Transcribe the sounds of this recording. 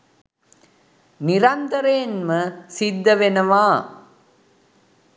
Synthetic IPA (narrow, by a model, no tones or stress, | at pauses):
niɾɐnt̪ɐɾeːnmɐsid̪ːɐʋenɐʋaː